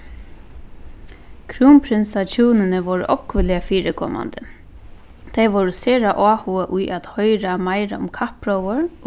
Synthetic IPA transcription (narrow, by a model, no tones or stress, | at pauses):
kʰɾuːmpʰɾɪnsat͡ʃʰuːnɪnəʋɔɾʔɔkʋɪlɪafiːɾɪkʰɔ̰ːma̰nd̪ə | t̪ʰejʋɔwɾɪseːɾaʔɔːhuəʔʊjʔat̪hœjɾamajɾa̰ʊ̰mkʰahpɾɔwəɾ